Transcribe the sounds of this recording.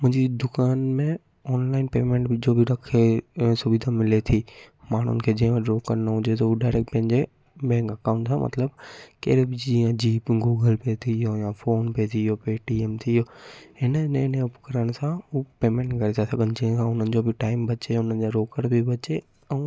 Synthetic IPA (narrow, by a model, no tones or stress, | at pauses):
mʊ̃ɦɪ̃ɲd͡ʑid̪ʊkaːnmẽ | ɔːnlaːɪnpeːmẽːɳʈd͡ʑoːbʱɪɾɐkʰesʊbid̪ʱamɪlet̪ʰiː | maːɳ̤ʊ̰nɪ̆kʰeːd͡ʑɐ̃ɦʋə̃ɾoːkəɾnɐɦʊ̃d͡ʑet̪ouɖaːɪɾek̚ʈpɐ̃ɦɪ̃ɲd͡ʑe | bɛ̃ːŋkɐkaːʊ̃ɳʈsãmʔɐ̰t̪ləbkɐːɾebɪd͡ʑiːə̃d͡ʑiːpɡuːɡəlpeːt̪ʰijojafoːnpet̪ʰijopeːʈieːmt̪ʰijohɪnəɪnɪnɐpkɐɾəɽ̃sãupeːmẽːɳʈɡʱɐɾet̪ʰasɐɡʱənɪd͡ʑĩɦə̃sãʊn̤ənɪ̆d͡ʑobʱɪʈaːɪmbɐt͡ɕeʊn̤ənɪ̆d͡ʑaɾoːkəɾbʱɪbɐt͡ɕe | ɛ̃ː